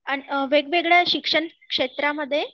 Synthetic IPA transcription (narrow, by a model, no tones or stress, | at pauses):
aɽ̃iʋeɡʋeɡɭjaɕikʂəɳ | kʂet̪ɾaməd̪ʱːje